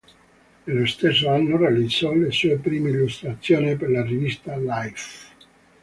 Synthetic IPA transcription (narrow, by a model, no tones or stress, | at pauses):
nelːost̪es̬ːoanːorealid̪zːɔlesuːepɾiːmeilːust̪ɾat̪sːjoːniperlarivist̪alajf